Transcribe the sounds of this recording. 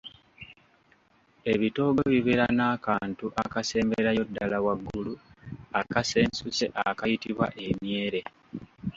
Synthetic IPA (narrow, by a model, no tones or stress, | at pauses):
e̞βito̞ːɡoβiβeɾanaːkaːntuʔakase̞ːmbe̞ɾajo̞dːalawaɡːuluakase̞ːnsuse̞ʔakajitiβwa̰ʔe̞mje̞ːɾe̞